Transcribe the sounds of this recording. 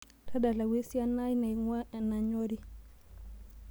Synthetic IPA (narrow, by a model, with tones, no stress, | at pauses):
tʰa˦ɗa˨la˨wi˦si˦a˦na˦i˦na˨ŋa˦na˨ɲɔ˦ɾi˦